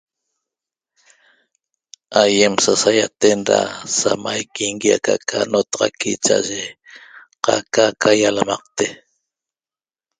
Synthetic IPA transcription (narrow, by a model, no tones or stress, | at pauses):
aje̞msasajat̪enɾa̰samajkiŋɡiaka̰kʰanot̪ɑʁɑ̰kit͡ʃa̰ʒe | qakakʰajalamɑq̚t̪e